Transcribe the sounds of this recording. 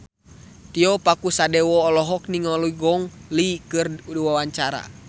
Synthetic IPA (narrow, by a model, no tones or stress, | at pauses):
t̪iɔpakusadɛwɔːlɔɦɔkniŋɔluiɡɔŋlikɨrduwawaɲt͡ʃaɾa̰